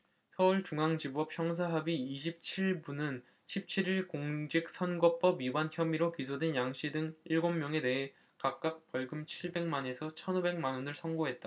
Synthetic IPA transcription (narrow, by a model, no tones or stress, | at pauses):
sʰʌuɭt͡ɕuŋaŋd͡ʑibuʌpʰjʌŋs̬ʰaɦabiːɕ̬ʰip̚t͡ɕʰiɭbunɯn | ɕʰip̚t͡ɕʰiɾiɭkoŋd͡ʑik̚s͈ʰʌnɡʌp͈ʌbiwançjʌmiɾokisʰodwe̞njaŋɕ͈idɯŋiɭɡomːjʌŋe̞de̞ɦe̞ | kak̚k͈ak̚p͈ʌɭɡɯmt͡ɕʰiɭbe̞ŋmane̞sʰʌt͡ɕʰʌnobe̞ŋmanonɯɭsʰʌŋɡoɦe̞t̚t͈a